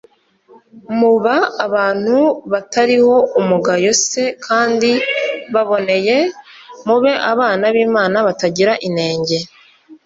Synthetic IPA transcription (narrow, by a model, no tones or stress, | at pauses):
muβaːβaːn̥huβataɾiho̞umuɡajose̞kʰaːndiβaβo̞ne̞je̞muβe̞ʔaβaːnaβiːmaːnaβataɟiɾaʔine̞ːɲɟe̞